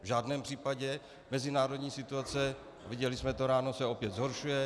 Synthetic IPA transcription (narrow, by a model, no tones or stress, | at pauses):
vʒaːdnɛːmpr̥iːpaɟɛ | mɛzɪnaːɾo̞dɲiːsɪt̪uat͡sɛ | a̰vɪɟɛlɪsmɛt̪oɾaːno̞sɛo̞pjɛt̪zɦo̞ɾʃujɛ